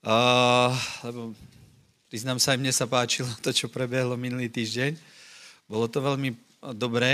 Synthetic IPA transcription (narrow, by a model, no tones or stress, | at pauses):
lɛbɔ | ʋiːznamsaimɲɛsapaːt͡ʃilɔt̪ɔt͡ʃɔpɾɛbɛɦlɔminuliːt̪iːʒɟɛɲ | bɔlɔt̪ɔʋɛʎmi | d̪ɔbɾɛː